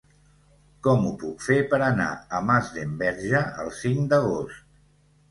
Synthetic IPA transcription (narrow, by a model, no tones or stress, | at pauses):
kɔmupukfepəɾəna̰əmazðembɛɾʒəə̰lˠsiŋd̪əɣ̞ost̪